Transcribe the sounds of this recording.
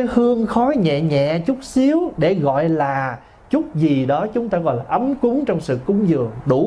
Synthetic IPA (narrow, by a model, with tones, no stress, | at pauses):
hɨ˧əŋxɔ˨˦jɲɛ̰˧˨ɲɛ̰˧˨t͡ɕʊ˦˥k͡p̚si˨˦əwɗe˧˩ɣɔ̰˧˨jlaː˨˩ | t͡ɕʊ˦˥t̚zi˨˩ɗɔ˨˦t͡ɕʊ˨˦ŋ͡mt̪aː˧ɣɔ̰˧˨jlaː˨˩ʔə˨˦mkʊ˨˦ŋt͡ɕɔ˧wŋ͡msɨ̰˧˨kʊ˧˦ŋ͡mzɨ˨˩əŋɗu˧˩